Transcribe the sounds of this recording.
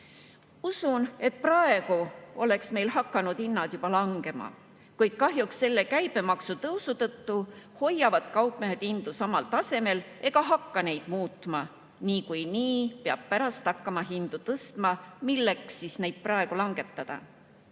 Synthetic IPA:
usune̞t̪̚prɑe̞ɡ̥uo̞le̞ksme̞jlhɑkːˑɑnud̪inːɑd̪̥jub̥ɑlɑŋɡ̥e̞mɑ̰ | kujd̪̥̚kɑɦjuksːe̞lːe̞kæjb̥e̞mɑksut̪ɤwsut̪ɤt̪ːuho̞jːɑvɑd̪kɑwpmeɦed̪̥ind̪̥usɑmɑlt̪ɑse̞me̞lʔe̞ɡ̥ɑɦɑkːɑne̞jd̪̥muːt̪mɑ | niːkujniːpeɑb̥̚pæɾɑst̪ɑkːɑmɑɦind̪̥ut̪ɤst̪mɑmilːeksisne̞jd̪̚prɑe̞ɡ̥ulɑŋɡ̥e̞t̪ˑːɑd̪̥ɑ̰

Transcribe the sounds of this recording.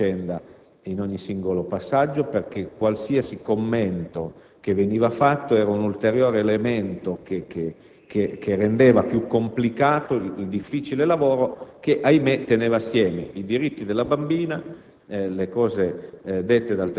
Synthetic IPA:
ɛnd̪a | inoɲːisiŋɡolopasːad͡ʒːoperk̟ekwalsiasikomːɛnt̪o | keveniːvafat̪ːoɛːɾaunult̪eɾjoːɾeːleːment̪okeke | kʰekʰerːend̪eːvapjukːomplikaːt̪oiild̪ifːit͡ʃilelavoːɾokeʔajmet̪ːeneːvaːsːjɛːmeid̪iɾit̪ːid̪elːabambiːna | lekɔːzed̪et̪ːed̪alt̪

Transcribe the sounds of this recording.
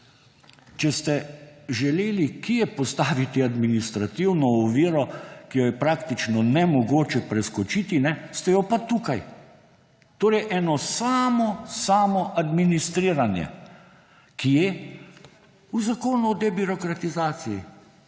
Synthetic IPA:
t͡ʃɛst̪ɛʒɛleːlikijɛpɔst̪aːʋit̪iad̪minist̪ɾat̪iwnɔːʋiːɾɔkijɔjɛpɾaːkt̪it͡ʃnɔnɛmɔɡoːt͡ʃɛpɾɛskɔt͡ʃit̪inɛst̪ɛjɔpat̪ukaj | t̪oːɾɛʔɛːnɔsaːmɔsaːmɔʔad̪minist̪ɾiːɾanjɛ̰ | kijɛ | uzakoːnuɔd̪ɛbiɾɔkɾat̪izaːt̪siji

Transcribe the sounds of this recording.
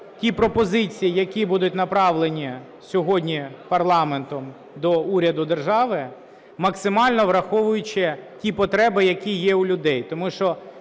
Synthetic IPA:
tʲipɾɔpɔzɪt͡sʲijijɐkʲibud̪ʊtʲnɐpɾɑʋlˠenʲi | sʲɔɦɔdʲnʲipɐrlˠɑment̪ɔm | d̪ɔuɾʲɐd̪ʊd̪erʒɑʋɪ | mɐksɪmɑlʲnɔʋɾɐxɔʋʊjʊt͡ʃɪtʲipɔt̪ɾɛbɪjɐkʲijɛʊlʲʊd̪ɛjt̪ɔmuʃt͡ʃɔ

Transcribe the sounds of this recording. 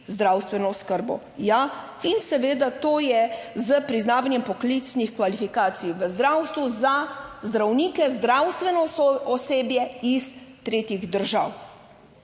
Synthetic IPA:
zd̪ɾaːwst̪ʋɛnɔskəɾbɔ̰ | ja | insɛʋeːd̪at̪oːjɛzəpɾiznaːʋanjɛmpɔklit̪snixkʋalifikaːt̪sijʋəzd̪ɾawst̪ʋuzazd̪ɾawniːkɛzd̪ɾawst̪ʋɛnɔɔseːbjɛist̪ɾeːt̪jiɣd̪əɾʒa̰w

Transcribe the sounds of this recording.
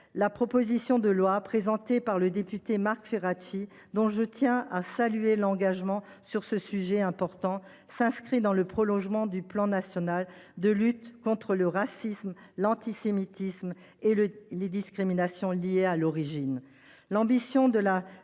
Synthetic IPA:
lapχɔpozisjɔ̃d̪əlwapχezɑ̃t̪epaʁləd̪epyt̪emaʁkfeʁat̪i | d̪ɔ̃ʒət̪jɛ̃asalyelɑ̃ɡaʒmɑ̃ | syʁsəsyʒɛɛ̃pɔʁt̪ɑ̃ | sɛ̃skχid̪ɑ̃ləpχɔlɔ̃ʒmɑ̃d̪yplɑ̃nasjɔnald̪əlyt̪kɔ̃t̪χələʁasismlɑ̃t̪isemit̪ism | eled̪iskχiminasjɔ̃lijealɔʁiʒin | lɑ̃bisjɔ̃d̪əla

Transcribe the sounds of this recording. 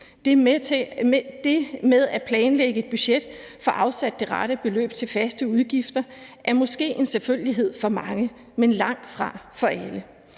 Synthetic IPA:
d̥e̝meðˠæpʰlɛːnleɡ̥əe̝d̥̚b̥yɕed̥ | fɒ̽ʔɑ̈ʊsæd̥̚ːe̝ʁɑɾ̥əb̥e̝lø̰ːb̥̚t͡sʰe̝lfæsd̥əuð̞ˠɡ̥ifd̥ɐʔæɐmɒ̽sɡ̥e̝̰ːe̝nseɐføləliɦe̝ð̞̰ˠfɒ̽mɑ̈ŋə | menlɑ̈ŋ̰d̥fʁɑ̈fɒ̽ʔælə

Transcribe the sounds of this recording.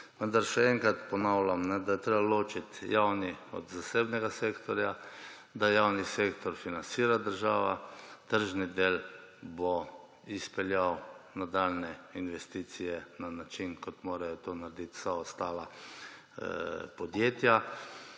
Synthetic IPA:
ʋənd̪aɾʃɛɛŋkɾat̪pɔnawlamnɛd̪ajɛt̪ɾeːbaloːt͡ʃit̪jawniɔ̰d̪zaseːbnɛɡaseːkt̪ɔɾja | d̪ajawniseːkt̪ɔɾfinansiːɾad̪əɾʒaːʋat̪əɾʒnid̪eːlbo | ispɛljawnad̪aːlnɛinʋɛst̪iːt̪sijɛnanat͡ʃinkɔt̪moːɾajɔt̪oːnaɾd̪it̪saɔst̪aːla | pɔd̪jeːt̪ja

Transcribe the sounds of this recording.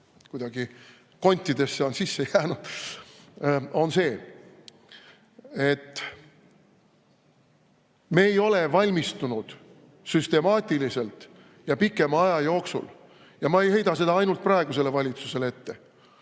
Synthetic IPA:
kujd̪̥ɑɡ̥i | ko̞nʲt̪ʲːˑid̪̥e̞sːeonsisːe̞jæːnud̪̥ | o̞nse̞ː | e̞t̪ːˑ | me̞ːjo̞levɑlʲmist̪unud̪̥ | syst̪e̞mɑːt̪ʲilise̞lt̪ | jɑpikːˑe̞mɑɑjɑjo̞ːksṵl | jɑmɑe̞jhe̞jd̪ɑs̬e̞d̪ɑɑjnult̪̚prɑeɡ̥use̞le̞vɑlʲit̪suse̞lee̞t̪ːe̞

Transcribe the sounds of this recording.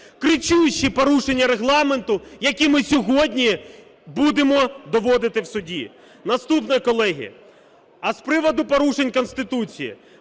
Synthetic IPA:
kɾɪt͡ʃujʊt͡ʃːipɔɾuʃenʲːɐɾeɦlˠɑme̞nt̪ʊjɐkʲimɪsʲɔɦɔdʲnʲi | bud̪emɔd̪ɔʋɔd̪ɪt̪ɪwsʊdʲi | nɐst̪upnɔjikɔlˠɛɦʲḭɐ̰ | ɐspɾɪʋɔd̪ʊpɔɾuʃe̞nʲkɔnst̪ɪt̪ut͡sʲijḭ

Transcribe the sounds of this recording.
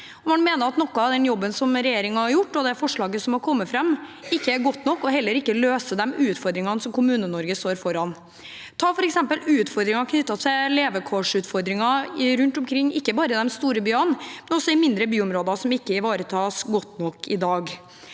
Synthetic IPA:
ɔmɑnmeːnəɾɑt̪nɔkːʊɑʋd̪ɛnjɔbːənsɔmɾɛjeːɾɪŋɑhɑɾjʊʈːɔd̪ɛfɔʂɭɑːɡəsɔmhɑɾkʰɔmːəfɾɑmː | ɪkːəæɾɡɔt̪ːnɔkːɔɦɛlːəɾɪkːəløːsəd̪ɛmʉːʉt̪fɔɾd̪ɾɪŋɑnsɔmkʰʊmʉːnənɔɾɡəst̪oːɾfɔɾɑn | t̪ʰɑːfɔɾɛksɛmpəlʉːʉt̪fɔɾd̪ɾɪŋɑkʰnʏt̪ːɑt̪ʰɛleːʋəkʰɔʂʉːt̪fɔɾd̪ɾɪŋɑɾʉnt̪ʊmkʰɾɪŋːɪkːəbɑːɾəd̪ɛmst̪uːɾəbyːɑnmɛnɔsːɔɪmɪnd̪ɾəbyːɔmɾoːd̪ɑsɔmɪkːəɪʋɑːɾət̪ʰɑːsɡɔt̪ːnɔkːɪd̪ɑːɡ

